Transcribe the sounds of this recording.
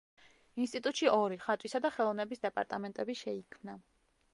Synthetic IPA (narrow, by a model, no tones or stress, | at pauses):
inst̪ʼit̪ʼut̪ʼʃiʔɔɾiχat̪ʼwisad̪aχɛlˠɔvnɛbisd̪ɛpʼa̰ɾt̪ʼamɛnt̪ʼɛbiʃɛikʰmna